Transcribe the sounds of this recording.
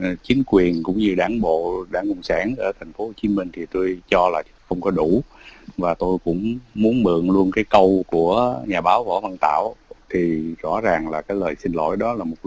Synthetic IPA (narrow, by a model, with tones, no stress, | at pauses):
t͡ɕï˨˦ŋ̟kwi˨˩ənkʊ̰˧˥ŋ͡mɲɨ˧ɗaː˧˩nɓo̰˧˨ɗaː˧˩nkʊ˧˨wŋ͡msaː˧˩nʔəː˧˩t̪ʰɛ˨˩jŋ̟fo˨˦ho˨˩t͡ɕi˨˦mï˧ŋ̟t̪ʰi˨˩t̪o˧jt͡ɕɔ˧laː˨˩˦xə˧wŋ͡mkɔ˨˦ɗu˧˩vaː˨˩t̪o˧jkʊ̰˧˥ŋ͡mmu˨˦ənmɨ̰˧˨əŋlu˧ənkaː˨˦jkə˧wku˧˩əɲaː˨˩ɓaː˨˦wvɔ̰˧˥və˧nt̪a̰ː˧˨wt̪ʰi˨˩zɔ̰˧˥zaː˨˩ŋlaː˨˩kaː˨˦jləː˨˩jsï˧ŋlo̰˧˩˦jɗɔ˨˦laː˨˩mo˨˩t̚